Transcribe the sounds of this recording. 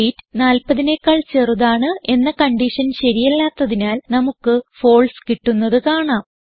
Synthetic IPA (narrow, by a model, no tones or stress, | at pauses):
iːtːnaːlpɐðinekːaːɭt͡ɕe̞ːruðaːɳɨʔe̞nːɐkɐɳɖiʂɐnɕɐɾijɐlːaːt̪ːɐðinaːlnɐmukːɨfo̞ːɭskiʈːunːɐðɨkaːɳaːm